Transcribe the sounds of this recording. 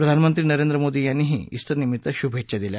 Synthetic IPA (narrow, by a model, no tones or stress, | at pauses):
pɾəd̪ʱanmənt̪ɾiːnəɾend̪ɾəmod̪iːjanːiɦḭːḭst̪əɾnimit̪ːəɕubʱeʈ̚t͡ɕad̪ilja̰